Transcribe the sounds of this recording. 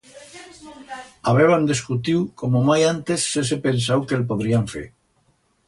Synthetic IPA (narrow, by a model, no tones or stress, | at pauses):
aβeβand̪eskut̪iwkomomajant̪esːesepensawkelpoðɾiaɱfḛɾ